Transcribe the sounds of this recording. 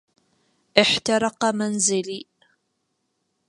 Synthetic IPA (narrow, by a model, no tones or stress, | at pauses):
ʔɪħt̪ɑɾˤɑqɑmanzɪliː